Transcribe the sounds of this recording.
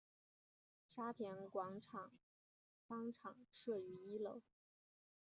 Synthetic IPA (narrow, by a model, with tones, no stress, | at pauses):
ʂa˥p̪ʰjɛ˧˥nkwɑ˧˥ŋʈ͡ʂʰɑ˨˩˦ŋ | fɑ˥ŋʈ͡ʂʰɑ˨˩˦ŋʂɤ˥˩y˧˥i˥lɤ˥˧˩ʊ